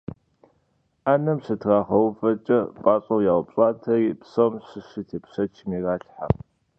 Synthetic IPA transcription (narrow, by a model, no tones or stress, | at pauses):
aːnɐmɕɨtʰraːχɐwfɐt͡ʃʼɐpʼaːɕʼɐwjaːwʊpɕʼaːntʰɐripsomɕɨɕitʰeːpɕɐt͡ʃʰɪmiraːɬħa̰